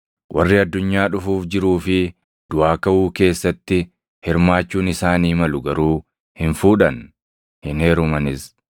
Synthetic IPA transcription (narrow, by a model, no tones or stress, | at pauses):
wʔɐrːɪɐd̪ːʊɲːaːᶑʊfuːfd͡ʒɪɾuːfɪ | d̪̥ʊaːkɐʔuːke̞ːsːɐt̪ːɪ | hɪɾmaːt͡ʃːuːnɪsaːniːmɐlʊɡɐɾuː | hɪnfuːᶑɐn | hɪneːɾʊmɐnɪs